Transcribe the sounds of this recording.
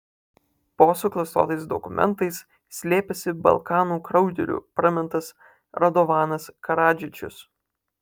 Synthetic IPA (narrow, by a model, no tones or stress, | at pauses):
poːsʊklˠɐst̪o̰ːt̪ɐɪsd̪ɔkʊmʲɛ̰nt̪ɐɪs | sʲlʲeːpʲɛsʲɪbɐ̰lˠkɑːnuːkɾɒʊd̪ʲɛ̰ɾʲṵːpɾɐmʲɛnt̪ɐs | ɾɐd̪ɔʋɑːnɐskɐɾɑːd͡ʒʲɪt͡ʃʲʊ̰s